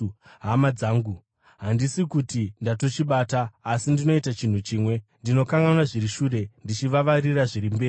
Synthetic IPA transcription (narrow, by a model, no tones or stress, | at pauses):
ɦamad͡zaːŋɡu | ɦandisikutindato̞t͡ʃiɓaːtaːsindino̞itat͡ʃin̤ut͡ʃiːmwe̞ndino̞kaŋɡanaʐiɾiʃuːre̞ndit͡ʃiʋaʋariraʐirimbe̞ːri